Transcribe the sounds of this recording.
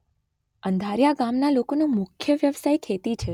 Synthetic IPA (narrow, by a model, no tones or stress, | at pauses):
ənd̪ʱaɾjaɡamnalokonumʊkʰjəʋjəʋsajkʰet̪it͡ʃʰe